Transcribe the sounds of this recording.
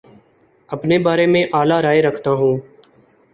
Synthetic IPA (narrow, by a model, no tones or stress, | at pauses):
əpneːbaːɾeːmẽːʔaːlaːɾaːeɾəkʰt̪aːɦũː